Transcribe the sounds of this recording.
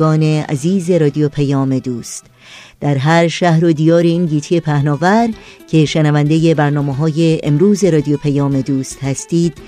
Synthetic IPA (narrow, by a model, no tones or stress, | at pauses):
ɒːne̞æ̰ziːze̞ɾɒːd̪ijopʰæjɒːmed̪uːst̪ | d̪̥æɾɦæɾʃæhɾo̞d̪iːjɒːɾeiːnɟiːt̪ʰijepʰæhnɒːvæɾ | cʰe̞ʃenævænd̪ejebæɾnɒːmeɦɒːjeemɾuːze̞ɾɒːd̪ijopʰæjɒːme̞d̪uːst̪hæst̪iːd̪̥